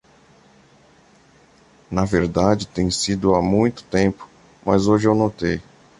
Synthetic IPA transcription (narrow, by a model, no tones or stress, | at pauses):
nɐveɾd̪ad͡ʒɪt̪ẽj̃sid̪ʊamũj̃t̪ʊ̥t̪ẽmpʊ̥ | mɐzoʒɪewnot̪ej